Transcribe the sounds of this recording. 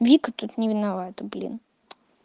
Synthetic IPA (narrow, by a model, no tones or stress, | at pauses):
vʲikət̪ut̪nʲɪvʲɪnavat̪əblʲḭn